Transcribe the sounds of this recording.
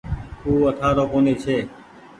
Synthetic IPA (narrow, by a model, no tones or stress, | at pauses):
uːət̪ʰaːɾoːkoːneːt͡ʃʰeː